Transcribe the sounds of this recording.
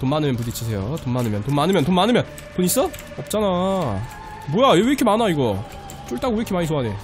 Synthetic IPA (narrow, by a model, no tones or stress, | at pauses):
tomanɯmjʌnp̬unit͡ɕʰis̬ʰe̞jotomːanɯmjʌntomanɯmjʌnt̬omanɯmjʌn | puɲis͈ʌ | ʌp̚t͡ɕ͈ana | bojaeiɾkʰemanaiɡʌ | t͡ɕ͈oɭt͈aɡoiɾkʰimaɲis̬ʰoɦane